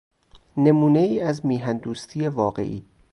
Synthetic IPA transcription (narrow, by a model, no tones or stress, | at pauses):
ne̞muːneiːæzmiːɦænd̪uːst̪ʰiːje̞vɒːɢe̞̰ʔiː